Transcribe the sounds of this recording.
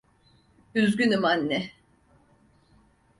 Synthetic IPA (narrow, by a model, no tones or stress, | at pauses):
yzɡʲynɯmanːɛ